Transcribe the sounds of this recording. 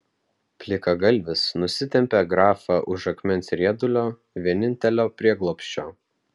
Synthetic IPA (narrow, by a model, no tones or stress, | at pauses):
pʲlʲɪkɐɡɐlʲˑʋʲɪsnʊsʲɪt̪ʲɛmʲpʲeɡɾɑːfɑʔʊʃɐkmʲɛnsɾʲiɛd̪ʊlʲoː | ʋʲiɛnʲɪnʲt̪ʲɛlʲoːpʲɾʲiɛɡlˠoːpʲʃʲt͡ʃʲoː